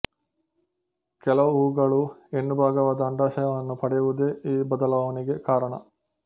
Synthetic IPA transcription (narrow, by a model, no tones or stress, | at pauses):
kɛlɐʋuuːɡɐɭuenːubʱaːɡɐʋaːd̪ɐːɳɖaːʃɐjɐʋɐnːupɐɽɛjuʋud̪eːiːbɐd̪ɐlɐʋɐniɡe̞kaːɾɐɳɐ̰